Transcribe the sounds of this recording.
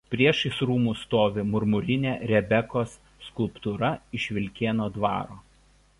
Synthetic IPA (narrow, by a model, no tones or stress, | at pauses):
pʲɾʲiɛʃɪsɾuːmuːst̪oːʋʲɪmʊɾmʊɾʲɪnʲeːɾʲɛbʲɛkoːsːkʊlˠpt̪uɾɐɪʃʲʋʲɪlʲkʲeːnoːd̪ʋɑ̰ːɾoː